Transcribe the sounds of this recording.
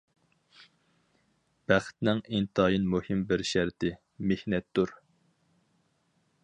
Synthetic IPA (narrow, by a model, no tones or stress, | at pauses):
b̥æχt̪nɪŋint̪ʰɑːjinmuhɪmbɪɾʃæɾt̪ʰɪ | mehnɛt̪ːuɾ